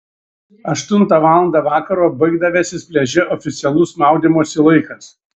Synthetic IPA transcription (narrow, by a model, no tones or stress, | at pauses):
ɐʃt̪ʊnˑt̪ɑʋɑːlˠɐnd̪ɑːʋɑːkɐɾoːbɐɪɡd̪ɐʋʲɛːsʲɪsʲpʲlʲɛʒʲɛʔɔfʲɪt̪sʲɛlˠʊsmɑˑʊd̪ʲɪmoɔsɪlˠɐɪkɐs